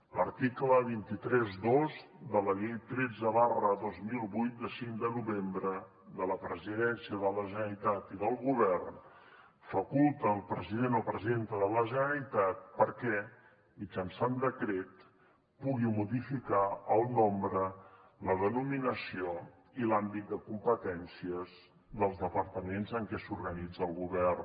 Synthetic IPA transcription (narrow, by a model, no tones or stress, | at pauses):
ləɾt̪ikləβ̞int̪it̪ɾɛzðozd̪ələʎejt̪ɾed͡zəβarəðozmilˠβujt̪̚d̪əsiŋd̪ənuβembɾə | ðələpɾəziðɛnsiəðələʒənəɾit̪at̪iðəlˠɣuβ̞ɛrn | fəkulˠt̪əːlˠpɾəziðenəlˠpɾəzent̪əðələʒənəlit̪at̪̚pəɾkɛ | mid͡ʒənsand̪əkɾet̪ | puɣimuðifikaəlˠnombɾə | ləðənuminəsio | ilambit̪̚d̪əkumpət̪ɛnsiəz | ðəlˠzðəpəɾt̪əmenzəŋkɛsuɾɣənid͡zəlˠɣuβɛr